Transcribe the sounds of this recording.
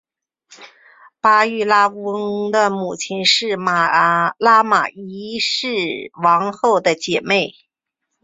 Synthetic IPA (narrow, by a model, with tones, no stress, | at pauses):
pa˥y˥˩la˥ŋd̪ə˧˨mu˨˩t͡ɕʰi˧˥nʂɻ̩˥˩ma˨˩la˥ma̰˨˩i˧˥ʂɻ̩˥˩wɑ˧˥ŋxo˥˩ʊd̪ə˩t͡ɕjɛ˨˩me˥˩ɪ